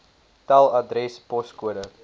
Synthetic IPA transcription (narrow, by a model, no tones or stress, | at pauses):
talˠɐdɾɛspɔskuəɾə